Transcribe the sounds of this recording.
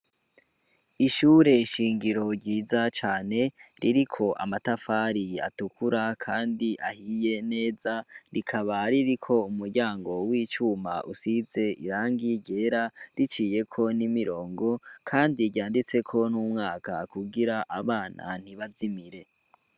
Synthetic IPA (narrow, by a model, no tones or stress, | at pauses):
iʃuːɾe̞iʃiːŋɡiɾo̞ɾɟiːzat͡ʃaːne̞ɾiɾikʰo̞ʔa̰matafaːɾia̰tukʰuɾakʰaːndiʔahije̞ne̞ːzaɾikʰaβaɾiɾikʰo̞umuɾɟaːŋɡo̞wiːt͡ʃuma̰ʔusize̞iɾaːŋɡiɟe̞ːɾaɾit͡ʃiːje̞kʰo̞nimiɾo̞ːŋɡo̞kʰaːndiɟjaːndit͡se̞kʰo̞nuːmŋaːka̰kuɡiɾaʔaβaːna̰n̥iβazimiɾe̞